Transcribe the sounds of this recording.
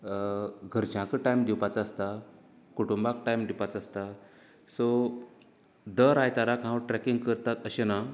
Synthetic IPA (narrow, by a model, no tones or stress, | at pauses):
ɡʱəɾd͡ʑãkəʈajmd̪iwpat͡səst̪a | kuʈumbak̚ʈajmd̪ipat͡saəst̪a | so | d̪əɾajt̪aɾakãʋʈɾɛkiŋɡkəɾt̪at̪əɕena